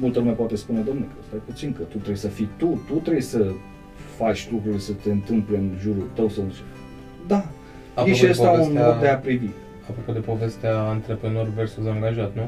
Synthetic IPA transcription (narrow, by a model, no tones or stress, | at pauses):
mult̪əlumepowat̪espune̞d̪o̞mnulkʰəəst̪eput̪siŋkət̪ut̪ɾejsəfit̪ut̪ut̪ɾejsə | fat͡ʃʲlukɾulʲsət̪e̞ɨnt̪ɨmple̞ɨnʒuɾult̪əwsaɨnsuɾ | d̪a | apjeʃiəst̪aunmod̪d̪e̞apɾidi | apɾo̞pod̪e̞po̞ve̞st̪eaːnt̪ɾepɾeno̞rversuzaŋɡaʒat̪nu